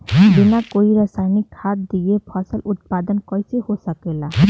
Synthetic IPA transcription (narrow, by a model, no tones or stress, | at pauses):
binakoiɾasajnikhat̪̚d̪iepʰɔsəlut̪̚pad̪ənkɔjseɦosəkela